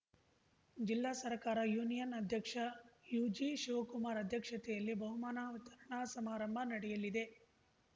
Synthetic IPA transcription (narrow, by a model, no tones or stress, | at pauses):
d͡ʒilːaːsɐɾkaːɾɐjuːnijɐnɐd̪ʱjɐkʂɐjuːd͡ʒiʃuʋɐkumaːɾɐd̪ʱjɐkʂɐt̪ɛjɐlːibɐɦumaːnaːut̪ɐɾɐɳaːsɐmaːɾɐmbʱɐnɐɽɛjɐlid̪e̞